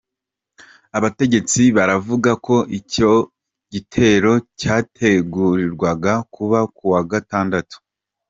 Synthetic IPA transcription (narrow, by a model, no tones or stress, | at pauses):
aβate̞ɟe̞t͡siβaɾavuɡako̞ʔico̞ | ɟitʰe̞ɾo̞caːtʰe̞ɡuɾiɾɡwaɡakuβakuwaɡataːndatu̥